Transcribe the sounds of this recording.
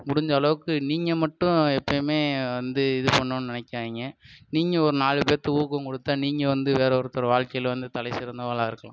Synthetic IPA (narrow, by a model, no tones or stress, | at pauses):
mʊɽʊɲd͡ʒɐːɭɐʋɯkːɯniːŋɡɐmɐʈːʊ̃ɛpːɐjmeːʋɐnd̪ɯɪðɯpɐɳːɯnɯnɪnɛkːaːʋɪŋɡɐniːŋɡɐɔɾɯnaːɭɯpeːt̪ːɯuːkːɐŋkɔɽɯt̪ːaːniːŋɡɐʋɐnd̪ɯʋeːɾɐɔɾɯt̪ːɔɾɐʋaːɻkɐjɪlʋɐnd̪ɯt̪ɐlɐɪsɪɾɐnd̪ɐʋaːlaːɪɾɯkːɐlã̰ː